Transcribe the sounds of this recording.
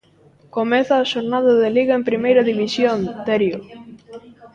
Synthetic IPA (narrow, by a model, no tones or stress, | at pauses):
komɛθaːʃoɾnaðɐðeliɣaempɾimejɾɐðiβ̞isjont̪eɾjo